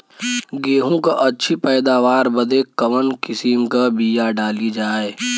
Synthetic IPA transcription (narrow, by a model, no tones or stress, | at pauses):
ɡeːɦõkaʔɐtːʃʰipɛːd̪aːʋaːɾbɐd̪ekɐʋənkɪsimkabijaɖaːlid͡ʒaːeː